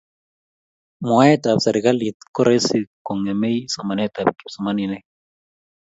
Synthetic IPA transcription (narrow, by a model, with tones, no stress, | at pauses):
mɔ˨a˦ɛ˦ta˨psɛ˨ɾi˨ka˦li˨t̪kɔ˦ɾɛ˦siko˨ŋɛ˨me˦jsɔ˨ma˨nɛ˦ta˨bki˨sɔ˨ma˦ni˨nɛ˦